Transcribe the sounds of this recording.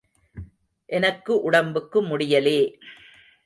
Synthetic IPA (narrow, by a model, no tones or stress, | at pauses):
ʔɛnɐkːɯʔʊɽɐmbɯkːɯmʊɽɪjɐleː